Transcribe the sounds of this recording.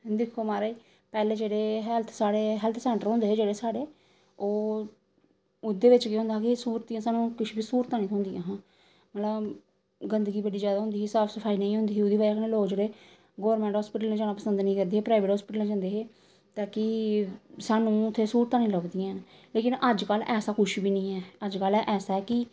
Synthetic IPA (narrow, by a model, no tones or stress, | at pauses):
d̪ɪkʰːoːmaːɾaːiː | pɛːleːd͡ʒeːɽeːɦɛlt̪ʰsaːɽeːɦɛːlt̪ʰsɛ̃ːɳʈəɾɦõːnd̪eːeːd͡ʒeːɽeːsaːɽeː | oː | ʊd̪eːʋɪt͡ʃkeɦʊ̃nd̪aːkɪsuːɾt̪ĩːjãːsaːnũːkɪʃʰbiːsuːɾt̪ãːnĩːt̪ʰʊ̃ːnd̪ijãːɦãː | mət̪lə | ɡənd̪əɡiːbəɖiːd͡ʒjaːd̪aːʊ̃nd̪iːɦisaːpʰsəfʰaːiːnəĩːɦõːnd̪iːʊd̪iːbaːd͡ʒaːkənẽːloːd͡ʒeɽeː | ɡoːɾmɛ̃ːɳʈɦɔːspɪʈəlnẽːd͡ʒaːnaːpəsənd̪nĩːkəɾd̪eːeːpɾaːiʋeːʈɦɔːspɪʈəlnẽd͡ʒãːnd̪eːɦeː | t̪aːkɪ | saːnũːʊt̪ʰːeːsuːɾt̪ãːnĩːləbd̪ĩãːn | leːkɪnəd͡ʒkəlɛːsaːkʊʃbiːnĩːɛːəd͡ʒkəlɛːʔɛːsaːɛːkɪ